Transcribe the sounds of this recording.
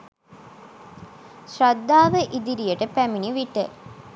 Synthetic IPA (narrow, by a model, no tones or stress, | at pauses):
sɾɐd̪ːaːʋəʔid̪iɾijɐʈəpæminiʋiʈə̰